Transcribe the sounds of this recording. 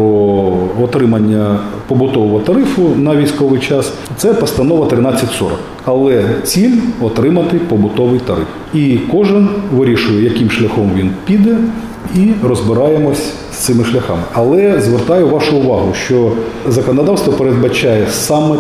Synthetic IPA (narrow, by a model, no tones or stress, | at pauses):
ɔɔt̪ɾɪmɐnʲːɐpɔbʊt̪ɔʋɔɦɔt̪ɐɾɪfʊnɐʋʲijsʲkɔʋɪjt͡ʃɑs | t̪sɛpɔst̪ɐnɔʋɐt̪ɾɪnɑt͡sʲːɐtʲsɔ̰ɾɔ̰k | ɐlˠɛt͡sʲilʲɔt̪ɾɪmɐt̪ɪpɔbʊt̪ɔʋɪjt̪ɐɾɪ̰f | ikɔʒɪnʋɪɾʲiʃʊjɛjɐkɪmʃlʲɐxɔmʋʲinpʲid̪ɛ | irɔzbɪɾɑjemɔsʲ | st̪ɪmɪʃlʲɐxɑ̰mɪʔɐlˠɛzʋert̪ɑjʊʋɑʃʊʊʋɑɦʊʃt͡ʃɔzɐkɔnɔd̪ɑwst̪ʋɔpeɾed̪̚bɐt͡ʃajɛsɑmɛ